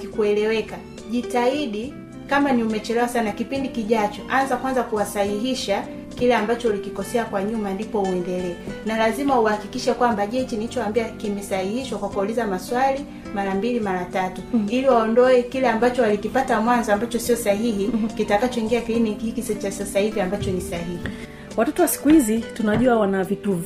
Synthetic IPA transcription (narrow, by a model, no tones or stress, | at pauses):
kikuɛlɛwɛka | ʄitaiɗi | kamaniumɛt͡ʃɛlɛwasanakipindikiʄat͡ʃɔʔanzakwanzakuwasahiɦiʃa | kilɛambat͡ʃɔulikikɔsɛakwaɲumandipɔuɛndɛlɛːnalazimauahakikiʃɛkwambaʄɛt͡ʃiniit͡ʃɔambiakimɛsahihiʃwakwakulizamaswali | maɾambilimaɾatatuiliwaɔndɔɛkilɛambat͡ʃɔalikipatamwanzɔambat͡ʃɔsiɔsaɦiɦikitakat͡ʃɔiŋɡiakiinihikisɛt͡ʃasasahiviambat͡ʃɔnisahihi | watɔtɔwasi̥kuhizitunaʄuawanavituvi